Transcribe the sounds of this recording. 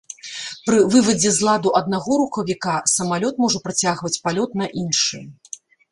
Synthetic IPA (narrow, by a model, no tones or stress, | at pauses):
pɾɨvɨvɐd͡zʲɛzlˠad̪uʔɐd̪̚naɣɔɾuxɐvʲikasɐmalʲɔt̪mɔʐɐpɾat͡sʲaɣvɐt͡sʲpalʲɔt̪nɐʔinʂɨ